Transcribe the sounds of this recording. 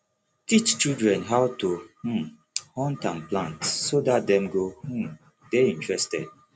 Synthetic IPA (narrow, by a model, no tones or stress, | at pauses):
tit͡ʃt͡ʃildɹɛ̃nɦawtuhũ | hɔ̃ntãnplãntssodat̚dɛ̃mɡohũm | deĩntɹɛstɛ̰d̚